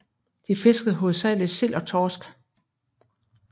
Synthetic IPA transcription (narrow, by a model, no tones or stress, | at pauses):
d̥ife̝sɡ̥ð̩ˠɦo̝ð̩ˠsɛle̥sel̰ɒ̽t͡sʰɒːsɡ̥